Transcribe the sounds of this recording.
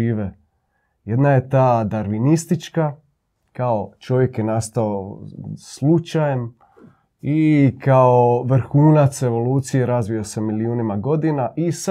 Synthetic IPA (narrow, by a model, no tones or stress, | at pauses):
iːʋe | jed̪naje̞t̪aːd̪aɾʋinist̪it͡ʃka | kaot͡ʃo̞ʋje̞kjenast̪aoslˠut͡ʃaje̞m | ikaoʋr̩xuːnat̪se̞ʋo̞luːt̪sijeɾazʋijo̞se̞miliuːnimaɡo̞d̪inaʔis